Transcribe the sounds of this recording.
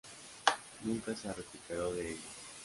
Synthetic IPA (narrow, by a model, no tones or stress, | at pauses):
nũŋkaseareplipeɾoðeeʝo